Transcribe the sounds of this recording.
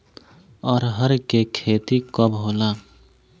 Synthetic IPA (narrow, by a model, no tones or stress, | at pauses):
ɔːɾɦəɾkekʰeːt̪ikəbɦoːla